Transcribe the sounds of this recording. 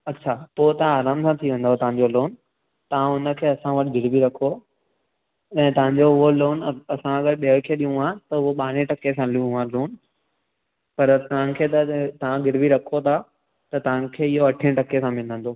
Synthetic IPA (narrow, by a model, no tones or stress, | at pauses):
ɐtːɕʰapoːt̪ɐʋãaːɾaːmsãt̪ʰiʋẽːn̆d̪aɦot̪ɐʋ̤ãɲd͡ʑoloːn | t̪ɐʋãʊnə̆kʰeːɐsãʋɐʈʰɪɡɪɽbiɾɐkʰo | ɛ̃ːt̪ɐʋ̤ãɲ̆d͡ʑoʊɦoloːnɐsãɐɡəɾɓiɦəkʰieɗijũaːt̪ɐʊɦoɓaːɽ̃ẽʈɐkesãliũãloːn | pɐɾt̪ɐʋ̤ãkʰeːt̪ɐt̪ɐʋãɡɪɽbiɾɐkʰot̪ʰa | t̪ɐt̪ɐʋãkʰeːɪɦoɐʈʰẽʈɐkesãmɪ̃nə̃n̆d̪oː